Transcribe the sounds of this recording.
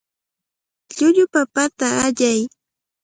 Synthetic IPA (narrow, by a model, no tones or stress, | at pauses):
ʎʊʎʊpapat̪aːʎaj